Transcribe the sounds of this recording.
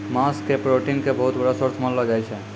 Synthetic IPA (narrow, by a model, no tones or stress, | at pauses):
maskepɾoʈinkebəɦut̪bəɽasəɾt͡ʃʰmənləd͡ʒajt͡ʃʰɛ